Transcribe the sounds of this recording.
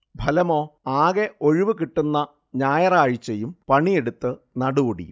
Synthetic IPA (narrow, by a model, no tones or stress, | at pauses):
bʱɐlɐmo̞ːaːɣeʔo̞ɻiʋɨkiʈːunːɐ | ɲaːjɐraːɻit͡ɕːejumpɐɳijeɽut̪ːɨ | nɐɽuːɽḭ